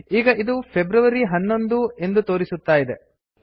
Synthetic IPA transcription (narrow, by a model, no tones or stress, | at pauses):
iːɡɐʔid̪upʰebɾɐʋɐɾiɦɐnːo̞nd̪ue̞nd̪ut̪o̞ːɾisut̪ːaːjid̪e̞̰